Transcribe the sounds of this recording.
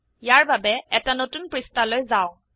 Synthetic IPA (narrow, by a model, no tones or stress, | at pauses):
ijaɹbabɛɛtanotunpɹistalojzaʊ̃